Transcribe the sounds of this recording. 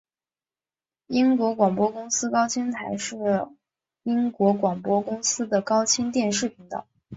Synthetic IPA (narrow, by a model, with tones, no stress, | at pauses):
i˥ŋkwɔ˧˥kwɑ˨˩ŋpwɔ˥kʊ˥ŋsɹ̩˥kɑ˥ʊt͡ɕʰi˥ŋt̪ʰa˧˥ɪʂɻ̩˥˩ | i˥ŋkwɔ˧˥kwɑ˨˩ŋpwɔ˥kʊ˥ŋsɹ̩˥d̪ə˨kɑ˥ʊt͡ɕʰi˥ŋt̪jɛ˥˧nʂɻ̩˥˩pʰi˧˥ŋt̪ɑ̰˥˨˩